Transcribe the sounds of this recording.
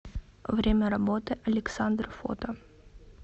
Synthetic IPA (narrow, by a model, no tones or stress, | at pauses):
vɾʲemʲɐɾɐbot̪ɨʔɐlʲɪksand̪rfo̰t̪ɐ